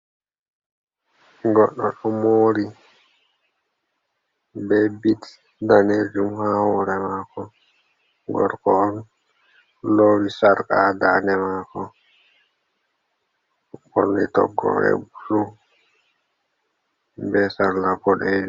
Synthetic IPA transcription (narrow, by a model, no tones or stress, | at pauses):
ɡɔɗːɔɗɔmoːɾi | bɛbit | daned͡ʒumhahɔɾɛmakɔ | ɡɔ̰ɾkɔɔn | loɾisaɾkadanɛmaːkɔ | ɔnːitɔ̰ɡːɔ̰ɾɛ̰buɾu | bɛsanlapɔɗed͡ʒ